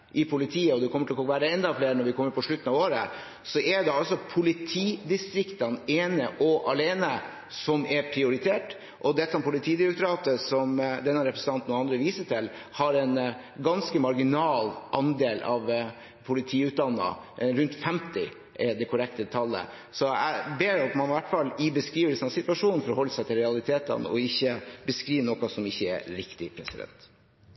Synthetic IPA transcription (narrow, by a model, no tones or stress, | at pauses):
ʔɪpʰʊlɪt̪ʰiːəɔd̪ɛkʰɔməʈɪlɔɔʋæːɾəɛnd̪ɑfleːɾnɔɾʋɪkʰɔmːəɾpʰɔʂɭʉt̪ːn̩ɑʋoːɾə | sɔʔɛɖ̪ɛɑlsɔpʰʊlɪt̪ʰiːd̪ɪst̪ɾɪkt̪ɑneːnəʔɔʔɑleːnə | sɔmɛɾpʰɾɪʊɾɪt̪ʰeːʈ | ʔɔd̪ɛt̪ːɑmpʰʊlɪt̪ʰiːd̪ɪɾʊkt̪ɾɑːt̪əsɔmd̪ɛnːɑɾɛpɾəsn̩t̪ɑnt̪n̩ɔɑnd̪ɾəʋiːsəʈʰɪlhɑɾɛn | ɡɑnskəmɑɾɡɪnɑːlʔɑnd̪eːlʔɑʋ | pʰʊlɪt̪ʰiːʉːt̪̚d̪ɑnːə̰ɾʉnt̪fɛmt̪ɪ | ʔɛd̪ɛkʰʊɾɛk̚t̪ət̪ʰɑlːə̰ | sɔæ̰ɪbeːɾɑt̪mɑnʋæʈːfɑlːɪbəskɾiːʋəɾsənɑsɪt̪ʋɑʂuːn̩fɔɾhɔlːəsæɪt̪ʰɪlɾɛɑlɪt̪ʰeːt̪ə̰nɔ̰ɪçːəbəskɾiːʋnɔːkɑsɔmɪçːəɛ̰ɾɾɪkt̪ɪpʰɾɛsɪd̪ɛ̰nt̪